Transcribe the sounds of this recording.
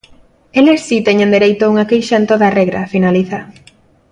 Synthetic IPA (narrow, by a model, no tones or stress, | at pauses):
elessit̪eɲẽnd̪eɾejt̪ouŋakejʃaent̪oðareɣɾɐ̰finaliθa